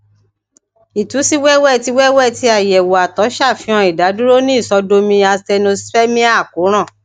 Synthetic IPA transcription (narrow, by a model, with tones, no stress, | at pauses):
i˨tu˨˦si˦wɛ˦wɛ˦˨ti˧˦wɛ˦wɛ˦˨ti˧˦a˦˨jɛ˨wo˨a˨tɔ˨˦ʃa˦˨fĩ˧ɔ̃˧i˨da˨˦du˦ɾo˦nĩ˦i˦˨sɔ˨˧do˧mĩ˧a˧stɛ˧no˧sfɛ˦mĩ˦a˦˨ko˨˦ɾ̃ã˦˨